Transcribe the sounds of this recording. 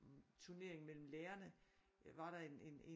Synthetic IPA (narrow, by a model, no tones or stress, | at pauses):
t͡sʰuɐne̝ɐ̰eŋmel̰m̩leːɐnə | ʋɑ̈ɾ̥ɑ̈e̝ne̝ne